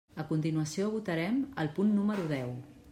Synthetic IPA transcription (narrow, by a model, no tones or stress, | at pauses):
əkunt̪inuəsioβ̞ut̪əɾɛməlˠpunːuməɾuðɛw